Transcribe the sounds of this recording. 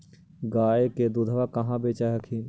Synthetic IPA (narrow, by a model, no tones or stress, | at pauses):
ɡaːeked̪ud̪ʱʋakɐɦãbeːt͡ʃaɦəkʰiː